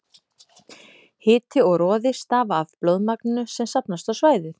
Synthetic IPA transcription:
hɪːt̪ɪɔɣɾɔːðɪst̪aːvaːvplowðmaknɪnʏsɛmsapnast̪awsvaːjðɪθ

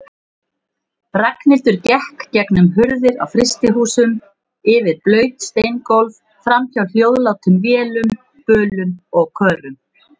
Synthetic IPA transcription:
raknɪlt̪ʏɾcɛhkcɛknʏmɦʏɾðɪɾa̰wfɾɪst̪ɪɦuːsʏm | ɪvɪðplœːɥt̪st̪ejnkowlv | fɾamçawl̥joːwðlaːwt̪ʏmvjɛːlʏm | pœːlʏmɔɣkʰœːɾʏm

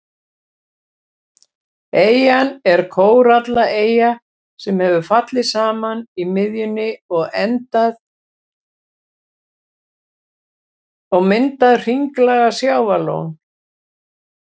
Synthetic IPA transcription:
eːjanɛɾ̥kʰoːwɾat̪laʔeːja | sɛmhɛvʏfat̪lɪsaːmanimɪðjʏnːɪɔɣɛnt̪að | ɔɣmɪnt̪aðr̥iŋklaɣasjaːwvalo̰ːwn

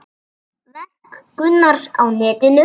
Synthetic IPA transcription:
lɛhkkʏnːaɾawnɛːt̪ɪnʏ

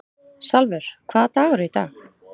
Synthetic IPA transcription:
salvɛɾ̥kʰv̥aːðt̪aːɣaɾʏit̪a̰ːx

